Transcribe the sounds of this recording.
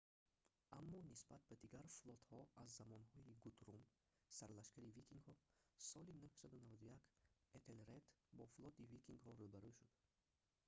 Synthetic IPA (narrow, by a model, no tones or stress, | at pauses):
amːɔnisbat̪̚bad̪iɡaɾflˠɔt̪hɔazːamɔnhɔiɡut̪ɾum | saɾlaʃkaɾivikʰiŋɡhɔsɔlinuhsad̪unavad̪ujaket̪ʰelɾet̪bɔflɔt̪ivikʰiŋɡhɔɾubaɾuʃud̪̥